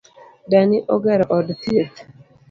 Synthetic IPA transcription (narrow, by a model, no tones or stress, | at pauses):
daniʔɔɡɛɾʔɔdtije